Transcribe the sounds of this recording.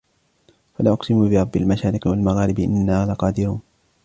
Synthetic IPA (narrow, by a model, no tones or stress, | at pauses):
falaʔʊqsɪmuːbɪɾˤɑbːɪlmaʃaːɾɪqɪwalmaɣaːɾɪbʔɪ̰nːaːlaqɑːd̪ɪɾuːn